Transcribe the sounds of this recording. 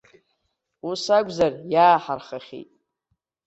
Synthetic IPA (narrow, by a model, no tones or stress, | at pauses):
usaɡʷzarjaːħarχaχʲḭjtʼ